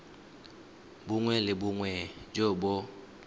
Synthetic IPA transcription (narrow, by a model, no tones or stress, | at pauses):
bʊŋwɛlɪbʊŋwɛd͡ʒobɔ